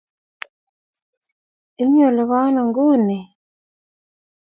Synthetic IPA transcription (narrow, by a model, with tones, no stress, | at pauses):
i˦ɲo˦˨lɔ˨βa˦nɔ˨ŋɡu˦˨ni˨